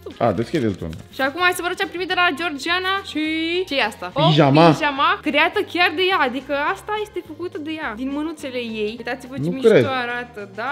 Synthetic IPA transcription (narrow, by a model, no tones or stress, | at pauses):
a̰d̪et͡ʃked̪elt̪o̰n̰ʃiakumajsəvəɾot͡ʃapɾimit̪d̪elad͡ʒord͡ʒianaʃit͡ʃejast̪aoiʒamaʒamakɾejat̪əkʲard̪e̞jaːd̪ikəast̪aje̞st̪e̞fəkut̪əd̪e̞jad̪inmənut̪se̞le̞jejujt̪at̪sivəneumikɾed̪oaɾat̪əd̪a